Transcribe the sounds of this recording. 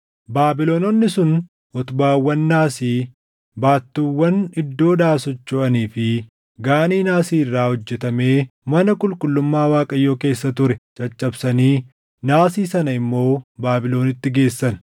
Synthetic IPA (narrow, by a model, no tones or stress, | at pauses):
baːbɪloːnɔnːɪsʊn | ɔt̪ʊbaːwːɐnːaːsiː | baːt̪ːuːwːɐnɪd̪ːo̞ːd̪aːsɔt͡ʃːoːʔɐniːfɪ | ɡaːniːnaːsiːɪrːaːhɔd͡ʒːɛt̪ɐme̞ːmɐnɐkʼʊlkʼʊlːʊmːaːwaːkʼɐjːo̞ːke̞ːsːɐt̪ʊɾɛt͡ʃʼɐt͡ʃʼːɐbsɐniː | naːsiːsɐnɐɪmːo̞ːbaːbɪlo̞ːnɪt̪ːɪɡe̞ːsːɐn